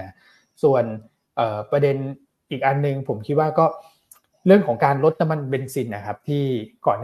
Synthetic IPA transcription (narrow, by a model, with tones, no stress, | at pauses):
su˨˩ən | ʔɤː˨˩pɾa˧de˧n | ʔiː˨˩k̚ʔa˧nːɯ˧ŋpʰo˩˦mkʰi˦t̪̚waː˥˩kɔː˥˩ | ɾɯ˥˩əŋkʰɔː˩˦ŋkaː˧nlo˦˥t̪̚na˧mːa˧nbe˧nsi˧nʔa˧˩kʰa˦˥p̚t̪ʰiː˥˩kɔː˨˩nː